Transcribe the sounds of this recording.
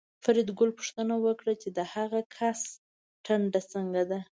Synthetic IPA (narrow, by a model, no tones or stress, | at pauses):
faɾɪd̪ɡʊlpu̥ʂt̪ənawəkɽat͡ʃed̪əhaɣakʰas | ʈʰaɳɖat͡səŋɡad̪a